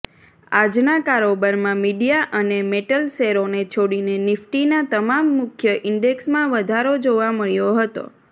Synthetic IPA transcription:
ad͡ʒnakaɾobəɾmãmiɖijaʔənemeʈəlseɾonet͡ʃʰoɽinenɪfʈinat̪əmamːʊkʰjəʔɪɳɖeksmãʋəd̪ʱaɾod͡ʒoʋaməɭjoɦət̪o̰

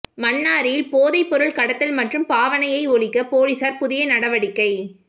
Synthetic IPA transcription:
mɐɳːaːɾɪjɪlpoːðɐɪpːɔɾɯɭkɐɽɐt̪ːɐlmɐʈrɯmpaːʋɐnɐjɐɪɔɭɪkːɐpoːlɪsaːɾpʊðɪjɐnɐɽɐʋɐɽɪkːɐɪ

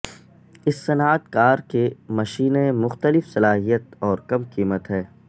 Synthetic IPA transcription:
ɪsːɐnaːt̪kaːɾkemɐʃiːnemʊxt̪əlɪfsɐlaːɦijət̪ɔːɾkɐmkiːmət̪ɦɛː

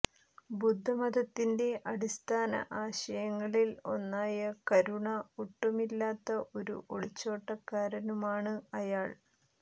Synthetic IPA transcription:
bud̪ʱːɐmɐd̪ɐt̪ːinde̞ʔɐɽist̪ʰaːnɐ̰ʔaːɕɐjɐŋːɐɭilo̞nːaːjɐkɐɾuɳɐoʈːumilːaːt̪ːɐʔo̞ɾṵʔoɭit͡ɕːo̞ːʈːɐkːaːɾɐnumaːɳɨɐjaːɭ

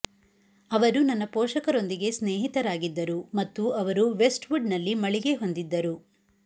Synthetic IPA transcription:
ɐʋɐɾunɐnːɐpɔːʃɐkɐɾo̞nd̪iɡe̞sneːɦit̪ɐɾaːɡid̪ːɐɾumɐt̪ːuɐʋɐɾuʋe̞sʈʋuɖnɐlːimɐɭiɡe̞ɦo̞nd̪id̪ːɐɾu

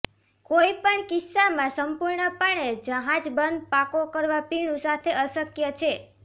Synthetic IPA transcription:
koipəɳkɪsːamãsəmpuɾɳəpəɳ̃ed͡ʒəɦad͡ʒbənd̪̚pakokəɾʋapiɳũsat̪ʰeʔəsəkjət͡ʃʰe

